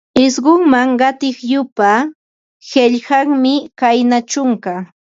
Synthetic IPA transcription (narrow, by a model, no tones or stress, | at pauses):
ɪsɢʊŋmaŋɢɑt̪ɪχjʊpa | heʎhɑŋmɪkajnat͡ʃʊŋka